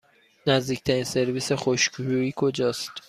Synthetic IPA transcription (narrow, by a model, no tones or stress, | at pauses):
næzd̪iːcʰt̪ʰæɾinse̞ɾviːsexoʃkʰɾuiːkʰo̞d͡ʒɒːst̪